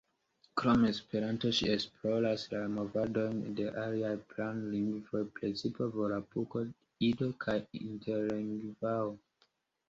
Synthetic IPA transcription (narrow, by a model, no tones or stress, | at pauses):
kɾome̞spe̞ɾanto̞ʃḭesplolaslamovado̞jnde̞ʔaliajplanliŋɡvojpɾet͡sipovolapuko | ido̞kʰajintʰeliŋɡvawo